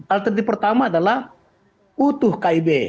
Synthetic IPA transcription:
alt̪ərd̪ipərt̪amaːdalah | ut̪ʊhkaibe

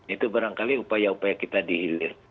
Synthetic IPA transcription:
it̪ubaɾaŋkaliupajaupajakit̪adiɦilɪh

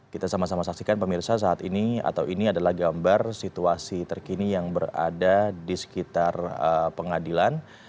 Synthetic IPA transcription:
kit̪asamasamasak̚sikanpəmirsasaːt̪inia̰t̪awiniadalahɡambarsit̪uasit̪ərkinijaŋbəra̰dadisə̥kit̪arəpəŋadilan

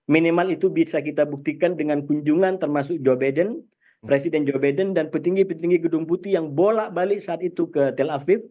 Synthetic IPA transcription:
minimalit̪ubisakit̪abuk̚t̪ikandəŋankuɲd͡ʒuŋant̪ərmasʊk̚d͡ʒobajdən | pɾesidɛnd͡ʒobajdəndanpət̪iŋɡipət̪iŋɡiɡədʊŋput̪ijaŋbolaʔbalɪksaːt̪it̪ukət̪ɛlafɪf

